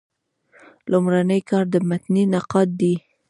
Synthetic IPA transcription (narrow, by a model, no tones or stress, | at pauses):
lʊmɾanəjkɑɾd̪əmat̪ninɑqɑt̪̚d̪i